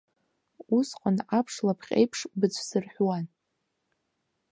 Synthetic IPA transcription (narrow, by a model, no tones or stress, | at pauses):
usqʼanʕapʰʂlapʰχʲʼḛjpʰʂbɨt͡sʷʰsɨrħʷwan